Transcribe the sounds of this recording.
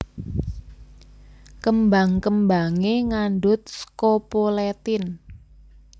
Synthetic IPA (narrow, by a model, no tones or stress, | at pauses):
kəmbaŋkəmbaŋeŋanɖʊt̪̚skopolɛt̪ɪn